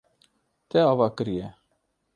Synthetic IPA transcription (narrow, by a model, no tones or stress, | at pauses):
t̪ɛɑvɑkəɾijɛ